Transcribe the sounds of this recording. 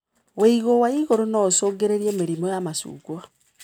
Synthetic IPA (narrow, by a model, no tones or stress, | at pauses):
weiɣowaiɣoɾonaosoːɡeɾeɾiemeɾimɔjamasṵːɡwa